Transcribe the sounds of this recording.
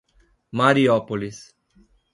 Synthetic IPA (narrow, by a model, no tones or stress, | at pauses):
maːɾiaːpolis